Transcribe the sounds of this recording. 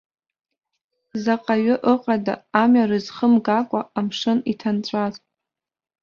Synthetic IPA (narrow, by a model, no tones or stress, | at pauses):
zaqʼaɥʏʔəqʼada̰ːmɥarɨzχəmɡakʷʼaamʂɨnitʰant͡ɕʷʼaz